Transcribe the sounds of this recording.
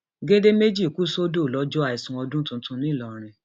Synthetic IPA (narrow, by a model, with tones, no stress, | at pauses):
ɡe˦de˦me˦d͡ʒi˦˨ku˦so˦do˦˨lɔ˦d͡ʒɔ˦a˦˨i˨sũ˧˨ɔ˧dũ˦tũ˧˦tũ˧nĩ˦˨lɔ˨ɾ̃ɛ̃˨